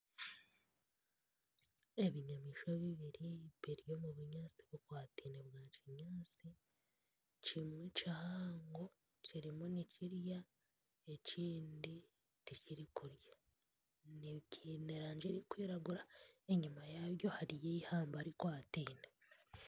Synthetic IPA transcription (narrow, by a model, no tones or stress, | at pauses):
e̞βiɲamiːʃoβiβiɾiβiɾjo̞muβuɲaːt͡siβokwaːtiːneβɡaːciɲaːt͡si | cimwet͡ʃahaːŋɡo̞ | ciɾimuniciɾja | e̞ciːndi | ticiɾikuɾjḁ | niβɟineɾaːɲd͡ʒeɾikwiːɾaɡuɾae̞ɲumajaβjo̞haɾijeihaːmbaɾikwaːtiːne